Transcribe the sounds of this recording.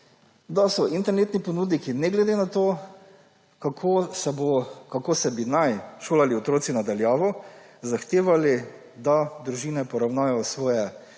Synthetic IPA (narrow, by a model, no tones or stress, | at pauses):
d̪asɔʔint̪ɛɾneːt̪nipɔnuːd̪nikinɛɡlɛd̪eːnat̪oː | kakʰosɛbokakoːsɛbinajʃoːlaliɔt̪ɾoːsinad̪aljaːʋɔ | zaxt̪eːʋali | d̪ad̪ɾuʒiːnɛpɔɾawnaːajɔsʋɔːjɛ